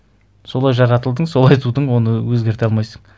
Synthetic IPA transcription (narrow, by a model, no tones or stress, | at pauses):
so̞lˠɑjʒɑɾɑt̪əlˠd̪əɴso̞lˠɑjt̪ʰud̪əɴwo̞nəwɵzɡʲe̞ɾt̪eɑlˠmɑjsəɴ